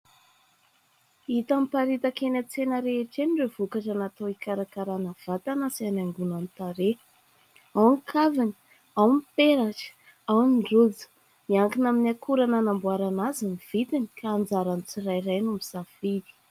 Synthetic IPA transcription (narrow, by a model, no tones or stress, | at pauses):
it̪amipaɾit̪akenat͡senaɾeeʈ͡ʂenrevukaʈ͡ʂanat̪owikaɾakaɾanav̥at̪anasianaŋɡunanit̪aɾe | awnikʰavani̥ | awmipeɾaʈ͡ʂə̥ | awniɳɖ͡ʐud͡zə̥ | miaŋkinaminakuɾananambuaɾanaziniv̥it̪inikaːnd͡zaɾanit͡sirajrajnumizafid̪i̥